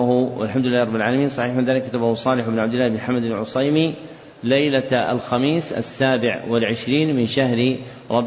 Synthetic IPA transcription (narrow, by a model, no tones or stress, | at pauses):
ʊwɪ̰lħamd̪ʊlɪlːahɾˤɑbːɪlʕaːlamiːnsˤɑħiːħmɪnðaːlɪkːat̪abahʊsˤɑːlɪħɪbnʕabd̪ɪlːaːhɪbnħamːad̪alʕʊsˤɑjmi | lajlaa̰lxamiːsa̰sːaːbɪʕwɪlʕɪʃɾiːnmɪnʃahɾ | ɾˤɑb